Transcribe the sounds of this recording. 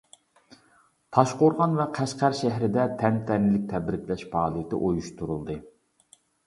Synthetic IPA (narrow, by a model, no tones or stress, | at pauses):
p̪ʰɑʃqoɾʁɑnvɛqʰæʃqæɾʃɛɦɾɪd̪ɛt̪ʰɛnt̪ʰɛnɪlɪk̚ʲt̪ʰɛbɾɪkʲlɛʃpʰɑːlˠɨjɪt̪ʰɪ̰ʔojuʃt̪uɾulˠd̪ɨ